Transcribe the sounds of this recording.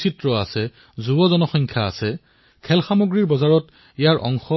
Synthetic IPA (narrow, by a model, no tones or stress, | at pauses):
sitɹɔa̰sɛ | zubɔzɔnɔxɔŋkʰja̰ːsɛ | kʰɛlxamoɡɹiɹbɔzaɹɔt | ijaɹʔɔ̰ŋxɔ